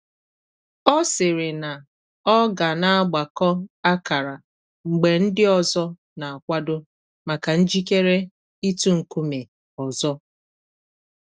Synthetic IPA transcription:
ɔ˦sɪ˨ɾɪ˨na˨ | ɔ˦ɡa˨na˦a˦ɡ͡ba˨kɔ˦a˦ka˨ɾa˨ | ŋ͡m̩˨ɡ͡be˨n̩˦dɪ˦ɔ˨zɔ˦ | na˨a˨kʷa˦dʊ˦ | ma˨ka˨n̩˦d͡ʒi˦ke˦ɾe˦ | i˦tu˦ŋ̩˨ku˦me˨ | ɔ˨zɔ˦

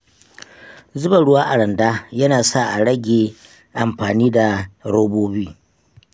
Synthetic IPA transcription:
zʊ˦ba˨ɽʊ˦waː˦ʔa˨ɽɐ˨ndaː˦jɐ˦naː˨sa˦˨ʔa˨ɽɐ˦ɡʲeː˨ | ʔa˨mɸaː˨niː˦da˨ɾoː˦boː˦biː˦

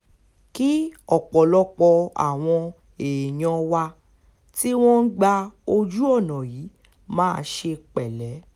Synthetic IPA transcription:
ki˦ɔ˦˨k͡pɔ˨lɔ˧k͡pɔ˧a̰˨w̃ɔ̃˧ | e˨j̃ɔ̃˧wa˧ | ti˦w̃ɔ̃˦n̩˦ɡ͡ba˧o˧d͡ʒu˦ɔ˦˨nɔ̃˨jiː˨˦ | mãː˦˧ʃe˧k͡pɛ˨lɛ˨˦

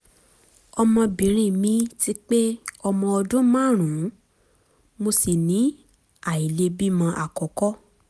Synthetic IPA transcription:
ɔ˧mɔ̃˧bĩ˨ɾ̃ĩ˦˨mĩ˧˦ti˦k͡pe˦ɔ˧mɔ̃˧ɔ˧dũ˦mã˦˨ɾ̃ũ˨˦ | mo˧si˨nĩ˨˦ | a˨i˨le˧bi˦mã˧ʔa˨kɔ˨kɔ˦

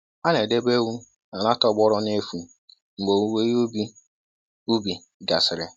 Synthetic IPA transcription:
a˦ne˨de˦be˦wu˦ | na˨la˦tɔ˦ɡ͡bɔ˦ɾɔ˦n˦e˦fu˨ | ŋ͡m̩˨ɡ͡bo˨u˦we˦jo˦bi˦ | u˦bi˨ | ɡa˨sɪ˨ɾɪ̰˨

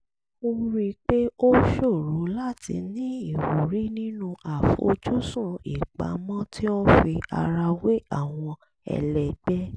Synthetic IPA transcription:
o˦ɾi˧k͡pe˦o˦ʃo˦˨ɾu˨˦la˦tʰḭ˧nĩ˨˦i˦˨wo˨ɾi˨˦nĩ˦nũ˦ʔa˨fo̰˨d͡ʒu˦sũ˦˨ḭ˨k͡pa̰˨˦mɔ̃˦tʰi˦o˦fi˧a̰˧ɾa˧we˦a˦˨w̃ɔ̃˧ | ɛ̰˧lɛ˧ɡ͡bɛ˦

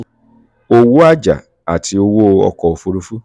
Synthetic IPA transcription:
o˧wu˦a˦d͡ʒa̰˨ | a̰˨tʰi˨˦o˧wo˦˧ɔ̰˧kɔ˨o˧fu˧ɾu˧˦fu˦

